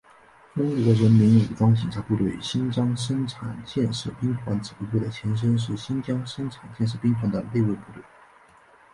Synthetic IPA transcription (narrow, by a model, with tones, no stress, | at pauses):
ʈ͡ʂʊ˥ŋku˧˥d̪ə˧ɻə˧˥nmi˧˥nu˨˩ʈ͡ʂwɑ˥ŋt͡ɕi˨˩nʈ͡ʂʰa˧˥pu˥˧t̪̬we˥˩ɪɕi˥nt͡ɕjɑ˥ŋʂ̬ə˥nʈ͡ʂʰa˨˩˦nt͡ɕjɛ˥˧nʂ̩˥˩pi˥ŋt̪ʰwa˧˥nt͡sɹ̩˨˩pu˥˩we˥˩ɪd̪ə˩t͡ɕʰjɛ˧˥nʂ̬ə˥nʂ̬ɻ̩˥˩ɕi˥nt͡ɕjɑ˥ŋʂə˥nʈ͡ʂʰa˨˩nt͡ɕjɛ˥˧nʂ̬ɻ̩˥˩pi˥ŋt̪ʰwa˧˥nd̪ə˧le˥˧ɪwe˥˧ɪpu˥˧t̪we˥˩ɪ